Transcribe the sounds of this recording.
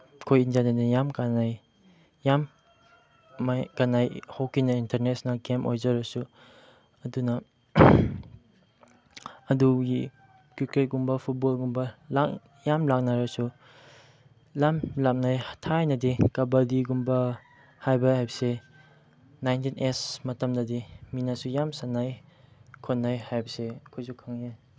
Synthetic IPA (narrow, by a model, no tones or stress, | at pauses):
kʰojinzanadijamkanaj | jam | akanajhowkːinɐintʰeɾnesnalɡemojzɐɾɐsu | ɐdunɐ | ɐduɡi | kuket̚ɡumbɐpʰut̚bolɡumbɐlak | jamlak̚naɾɐsu | lamlak̚najhḁtʰajnɐdikɐbɐdiɡumbɐ | hajbɐhajbɐse | najntinesmɐtɐmdɐdiminasujamsanːajkʰonːajhajbɐseɐkʰojsukʰaŋja